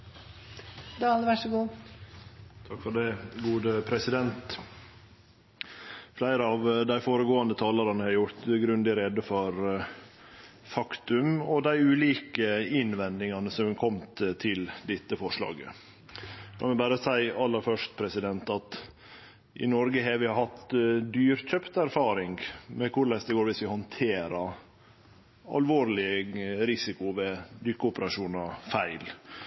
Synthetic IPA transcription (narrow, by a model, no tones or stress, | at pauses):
d̪ɑːlʋæʂəɡuː | t̪ʰɑkfɔɖɛɡuːd̪əpʰɾɛsɪd̪ɛnt̪ | flæɪɾəɑʋd̪æɪfoːɾəɡoːɑnd̪ət̪ʰɑːlɑɾɑnəhɑɾjʊɾt̪ɡɾʉnd̪ɪɾɛd̪əfɔɾ | fɑkt̪ʉmɔd̪æɪʉːliːkəɪnʋɛnd̪ɪŋɑnəsɔmkʰɔmt̪t̪ʰɪld̪ɪt̪ːəfɔʂlɑ̰ːɡə̰ | kʰɑ̰mɛbæːɾəsæɪɑlːəɾfœʂt̪̚pʰɾɛsɪd̪ɛnt̪ɑt̪ | ʔɪ̰nɔɾɡəɦɛʋɪɑhɑt̪d̪yːɾc͡çœpt̪æɾfɑːɾɪŋɡmɛkʰʊɾɭɛsd̪ɛɡoːɾʋɪsʋɪhɔnt̪ʰeːɾɑɾ | ɑ̰lʋoːɾlɪəɾɪsɪkʊʋɛd̪ʏkːəʊpəɾɑʂuːnɑfæɪl